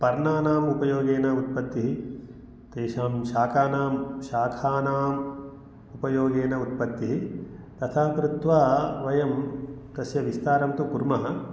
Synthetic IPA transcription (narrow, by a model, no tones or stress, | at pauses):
pɐɾnaːnaːmupɐjoːɡeːnɐut̪̚pɐt̪ːiɦi | t̪eːʃaːmʃaːkʰaːnaːmʃaːkʰaːnaːm | upɐjoːɡeːnɐut̪̚pɐt̪ːiɦit̪ɐt̪ʰaːkɾut̪ʋaːʋɐjɐmt̪ɐsjɐʋist̪aːɾɐmt̪ukuɾmɐɦɐ̆